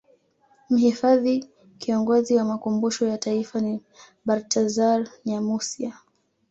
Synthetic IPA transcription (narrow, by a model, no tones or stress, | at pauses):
m̩hifaði | kiɔŋɡɔziwamakumbuʃɔjataifani | ɓaɾtʰazaɾɲamusia